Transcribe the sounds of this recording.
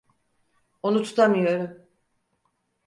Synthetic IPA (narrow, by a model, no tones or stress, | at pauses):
o̞nut̪ʰu̥t̪ʰamɯjo̞ɾum